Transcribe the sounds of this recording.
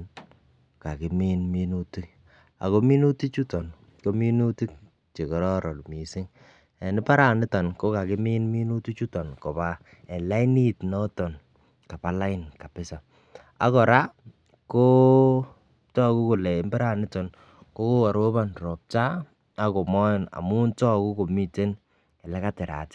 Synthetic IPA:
n | ka˨kɪ˨mi˦nmi˦nu˦ti˦k̚ | a̰˨ko˦mi˦nu˦ti˦t͡ʃu˦tɔ˨n | ko˦mi˦nu˦ti˦k̚ | t͡ʃe˨kɔ˨ɾɔ˦ɾɔ˨lmi˨sɪ˦ŋ | e˨nɪ˦pa˦ɾa˨nɪ˦tɔ˨nko˦ka˨kɪ˦mɪ˦nmi˦nu˦ti˦t͡ʃu˦tɔ˨nkɔ˨ba˦ | ɛ˨la˦i˦ni˦tnɔ˦tɔ˨n | ka˨pa˨la˦ɪ˦nka˨pɪ˦sa˨ | a̰˦kɔ˨ɾa˦ | ko˦ | tɔ˦ku˦ku˨lɛ˨ɪ˨˦mbɛ˦ɾa˨nɪ˦tɔ˨n | ko˦ko˦a˨ɾo˦ba˨nrɔ˨p̚t͡ʃa˦ | a˦ko˨mɔ˦˨na̰˨mu˦ntɔ˦ku˦ko˨mi˦te˦n | ɛ˨lɛ˦ka˦tɪ˨ɾa̰˨tɪ̥˦

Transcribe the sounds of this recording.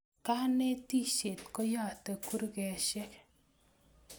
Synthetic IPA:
ka˦ne˦ti˦˨ʃe˨tkɔ˦ja˦˨te˨ku˦ɾkɛ˨ʃɛ˦k

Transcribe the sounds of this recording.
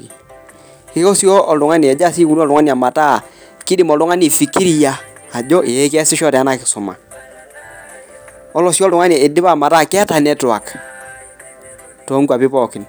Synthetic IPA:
kɪ˦kɔ˦sjɔ˦ʔɔ˨lʊ˨ŋa˦ni˨ɛ˨d͡ʒa˦˨si˦ku˦n˦ɔ˦˨lʊ˨ŋa˦ni˨a˨ma˨ta˦˨ | kɪ˦dɪ˦˨mɔ˨lʊ˦ŋa˦ni˨fi˨ki˦ɾi˨jaː˨d͡ʒɔ˦ʔe˨e˦kɛ˦sɪ˦ʃɔ˦tɛ˨a˦na˨kɪ̥˨sʊ˨ma̰˨ | ɔ˦lɔ˨sjɔ˦lʊ˨ŋa˦n˨a˨ɪ˨dɪ˦pa˦˨ma˨taː˦˨kɪ˦a˦ta˨nɛ˦tʊ˨a̰˨k | tɔ˨˦ŋɡʷwa˨pɪ˦pɔ˨kɪ˨n

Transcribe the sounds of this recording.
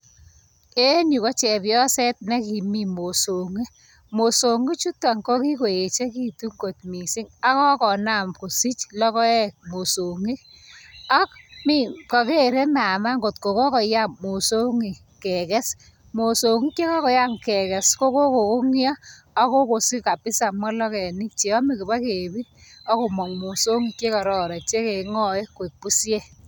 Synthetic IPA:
e˦nu˨kɔ˦t͡ʃɛ˨pjɔ˦sɛ˦t̚nɛ˦ki˨mi˨mo˨so˨ŋi˦ | mo˨so˨ŋi˦t͡ʃu˦tːa˨ŋko˦ki˦ko˨je˨t͡ʃe˦ki˦tu˦ŋɡo˨tmi˨si˦ŋa˦kɔ˦kɔ˨na˨mko˨si˦t͡ʃlɔ˦kɔ˦ɛ˦kmo˨so˨ŋi˦ | a˦kmi˦˨ka˨ke˦˨ɾe˦na˨ma˦ŋɡo˨tko˨kɔ˦kɔ˨ja˦mmo˨so˦ŋi˨ | kɛ˨kɛ˦s | mo˨so˨ŋi˦ke˦kɔ˦kɔ˨ja˦ŋkɛ˨kɛ˨sko˦ko˦ko˨ko˦ŋjaː˦ | ko˦ko˨si˦ka˨pɪ˦sa˨mwa˦lɔ˦kɛ˨ni˦k̚t͡ʃe˨ɔ˦mi˨ki˨ba˦ke˨bi˦t̚ɔ˦ko˨mɔ˨ŋmo˨so˦ŋi˨t͡ʃe˦kɔ˨ɾɔ˨ɾɛ˨t͡ʃe˦ke˨ŋɔ˦e˦kwe˨k̚pu˦sje˦

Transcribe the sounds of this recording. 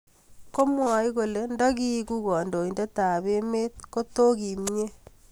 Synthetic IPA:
ko˦mwa˨i˦ɣo˨le˨nda˦ɣi˦ku˦ɣɔ˨ndo˨i˨nde˦ta˨βe˦me˦t̚ko˦to˦ɣi˨me˦

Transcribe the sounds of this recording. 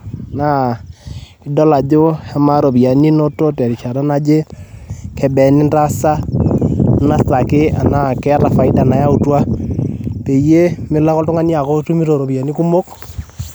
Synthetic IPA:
na˦ | i˦dɔ˦la˨d͡ʒo˦a˦ma˦ɾo˨bi˨a˨ni˦no˦to˦tɛ˨ɾi˨t͡ʃa˨ɾa˦na˦d͡ʒe˦ | kʰɛ˨bɛ˨nɪ˦nda˦sa˦ | na˦sa˨kɪ˦a̰˨na˨kɛ˦ɾa˨fa˨ɪ˦da˨na˨ja˦u˨twa˦ | pe˨je˦mɪ˦la˦kɔ˦ltʊ˦ŋa˦ni˦a˨ko˦tu˦mi˦ɾo˨ɾo˨bja˨ni˦ku˦mo˦k

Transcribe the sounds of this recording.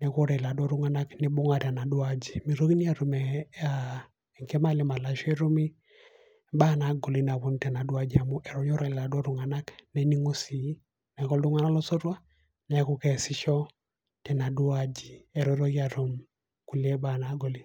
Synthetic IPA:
nɛ˨kɔ˦ɾɛ˨la˨dɔ˦ɾu˦ŋa˦na˦kni˨bʊ˦ŋa˨ɾa˨na˨dwa˦d͡ʒi˨mi˨ɾo˦kni˦a˨ɾo˨mɛ˨a˨ | ɛ˨ŋke˦ma˦˨lɪ˦ma˨la˨ʃɛ˦ɾo˦mi˦ | ba˦˨na˨ɡo˨li˦na˨βo˨˦n˦tɛ˨na˨dwa˦d͡ʒi˨a˨mu˦ʔɛ˨ɾɔ˦ɲɔ˦ɾɛ˨lla˨dwɔ˦ɾu˨ŋa˨na˦knɛ˨˦ni˦ŋo˦si˨˦ | nɛ˨kɔ˦ldʊ˦ŋa˦na˦lɔ˦so˦ɾwa˦ | nɛ˨˦kɔ˦kɛ˨sɪ˦ʃɔ˦ | tɛ˨na˨dwa˦d͡ʒi˨ɛ˨ɾɔ˨˦ɾo˦ji˦a˨ɾo˨m | ku˨lɛ˦ba˦˨na˨ɡo˨li˦

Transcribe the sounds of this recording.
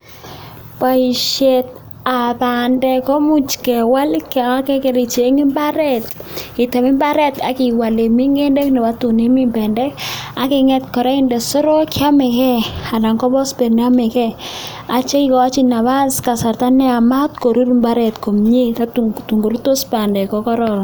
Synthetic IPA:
pa˨i˨ʃe˨t̚ | a˨pa˨ndɛ˨kɔ˦mu˦t͡ʃkɛ˨wa˦lka˦kɛ˦ke˨ɾi˨t͡ʃe˨˦ŋɪ˦mba˦ɾɛ˦tɪ˨tɛ˨mɪ˦mba˦ɾɛ˦ta̰˨kɪ˨wa˨le˨mi˦ŋe˦ndɛ˦knɛ˨wa˦tu˨ne˦mɪ˦mbɛ˨ndɛ˦ka˨kɪ˨ŋɛ˦tkɔ˨ɾɛ˦ɪ˦nde˨so˦ɾo˦kja˦mɛ˨kɛ˦a˨da˨ŋkɔ˦bɔ˦sbe˨ɾna˦mɛ˨kɛ˦ | a˨t͡ʃe˦i˦kɔ˨˦t͡ʃi˦na˨βa˦ska˨sa˨rta˦nɛ˦a˨ma˦tko˨ɾu˦ɾmba˦ɾɛ˨tko˨mɲe˦ta˦tutu˨ŋɡo˨ɾu˦to˦spa˨ndɛ˨kɔ˨kɔ˦ɾɔ˨l

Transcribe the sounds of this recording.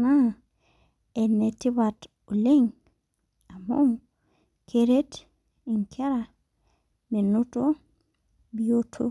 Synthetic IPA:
na˦ | e˨ne˨ti˦βat | o˨le˦ŋ | a˨mom | kʰeɾe˦t | i˨ŋkʰe˦ɾa | ne˨nu˦to | biotʰo̰˦

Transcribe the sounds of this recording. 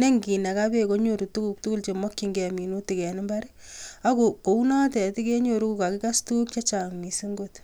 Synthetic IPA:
ne˦ŋɡi˨na˨ka˦be˦ko˦ɲo˨ɾu˨tu˦ku˨k̚tu˦ku˦lt͡ʃe˨mɔ˦kːi˨ŋɡɛ˨mi˨nu˦tɪ˨kɛ˨nɪ˦mba˦ɾia˦ko˨ko˨u˦na˦tɛ˨ti˦ke˦ɲoɾu˦ku˨ka˨kɪ˦ka˦stu˦k̚t͡ʃa˦t͡ʃa˨ŋni˨si˦ŋɡot

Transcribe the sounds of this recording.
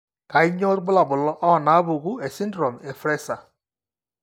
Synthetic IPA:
ka˨i˦ɲɔ˦ɾɡ͡bʊ˦la˨bʊ˨lɔ˦ʔɔ˦˨na˨˦βu˨ɣu˦e˨si˦ndɾɔ˨me˨fɾɛ˦sa˨

